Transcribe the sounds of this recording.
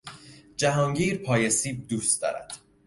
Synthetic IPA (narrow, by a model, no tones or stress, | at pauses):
d͡ʒæɦɒːŋɟiːɾpʰɒːjesiːb̚d̪uːst̪̚d̪ɒ̰ːɾæ̰d̪̥